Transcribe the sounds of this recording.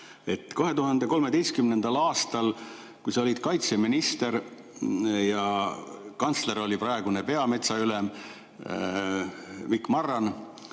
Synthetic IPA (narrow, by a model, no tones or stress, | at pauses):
e̞t̪ːˑko̞ɦe̞t̪uɦɑnd̪e̞ko̞lme̞d̪ejst̪̚kymne̞nd̪̥ɑlɑːst̪ɑl | kujsɑo̞lʲid̪̥kɑjt̪seminist̪e̞ɾ | jɑ | kɑnt̪sle̞ɾo̞lʲipɾɑeɡ̥unepe̞ɑme̞t̪sɑylem | mikːˑmɑrːɑn